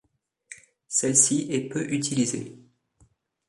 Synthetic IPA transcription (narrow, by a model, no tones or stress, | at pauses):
sɛlsiɛpøʔyt̪ʰilizḛ